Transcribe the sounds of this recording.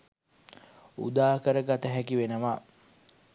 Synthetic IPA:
ṵd̪aːkəɾəɡat̪əɦækiʋenəʋa

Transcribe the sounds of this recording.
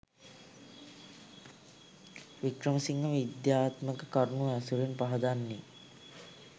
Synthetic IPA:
ʋikɾəməsiŋɡəʋid̪jaːt̪məkəkaɾnuæsuɾinpaɦɐd̪anːi

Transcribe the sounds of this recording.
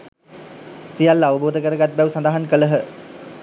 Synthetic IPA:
sijalːaʋəboːd̪əkəɾəɡat̪̚bæʋusand̪aɦankələɦə

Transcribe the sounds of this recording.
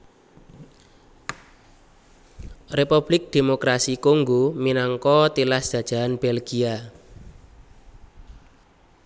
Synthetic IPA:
repub̥lɪk̚d̪̥e̤mokɾasikuŋɡuminaŋkɔt̪ilasd̥ʒ̥ä̤d̥ʒ̥a̤anb̥elɡ̥ia

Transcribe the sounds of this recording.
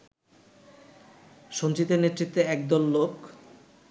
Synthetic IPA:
ʃont͡ɕit̪ːeɾnet̪ːɾit̪ːeɛk̚d̪olːok

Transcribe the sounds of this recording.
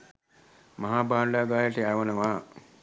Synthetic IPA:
mɐɦaːbaːnlaːɡaːjəʈəjaːʋənəʋaː

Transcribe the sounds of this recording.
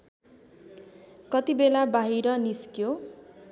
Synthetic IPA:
kʌt̪ibelabaɦiɾʌniskjo

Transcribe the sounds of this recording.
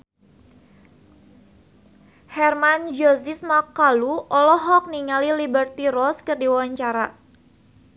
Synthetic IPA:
hɛrmand͡ʒozismakaluʔɔlɔɦɔk̚niŋalilibərt̪irɔskərdiwwaɲt͡ʃaɾa

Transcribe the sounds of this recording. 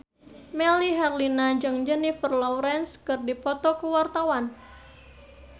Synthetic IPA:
mɛliɦɛrlinad͡ʒəŋd͡ʒənifərlɔwɾɛnskɨrdipɔt̪ɔkəwart̪awan

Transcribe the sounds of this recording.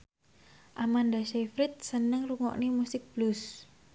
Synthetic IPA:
ʔamandaʃefɾɪt̪̚sənəŋruŋɔ̰ʔnimusɪk̚b̥lus

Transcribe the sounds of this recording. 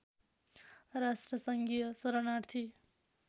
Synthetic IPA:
ɾasʈrʌsʌŋɡijʌsʌɾʌnaɾt̪ʰi

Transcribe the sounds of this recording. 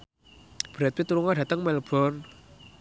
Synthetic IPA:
b̥ɾɛt̪̚pit̪uɾuŋadat̪əŋmɛlbʰɔr

